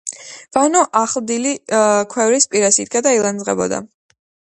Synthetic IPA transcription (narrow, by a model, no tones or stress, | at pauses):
v̥anɔʔaχlˠd̪ilikʰwɛvɾispʼiɾasḭd̪̚ɡad̪ailˠanzʁɛ̰bɔ̰d̪a̰